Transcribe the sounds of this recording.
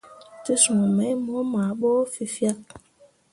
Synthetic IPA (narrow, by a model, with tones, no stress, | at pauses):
tə˦su˨mɛ˨˦jmo˨˦ma˨ɓɔ˦fi˦fja˦